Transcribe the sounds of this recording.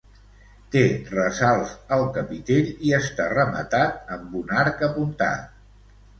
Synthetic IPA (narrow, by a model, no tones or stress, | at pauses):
t̪erəzalˠzəlˠkəpit̪eʎiəst̪arəmə̰t̪at̪əmbunaɾkəpunt̪a̰